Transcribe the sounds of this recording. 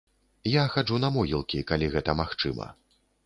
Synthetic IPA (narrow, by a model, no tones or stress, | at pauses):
jaxad͡ʐunɐmɔɣʲilˠkʲikalʲiɣɛt̪ɐmaxt͡ʂɨ̰mɐ̰